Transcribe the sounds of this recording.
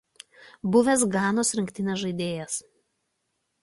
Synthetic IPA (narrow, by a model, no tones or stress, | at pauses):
bʊʋʲes̬ɡɑːnoːsɾʲɪŋʲkʲt̪ʲɪnʲɛsʒɐɪd̪ʲeːjɛs